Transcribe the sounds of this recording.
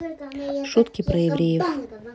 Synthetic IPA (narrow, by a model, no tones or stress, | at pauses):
ʂut̪kʲɪpɾɐjɪvɾʲejɪf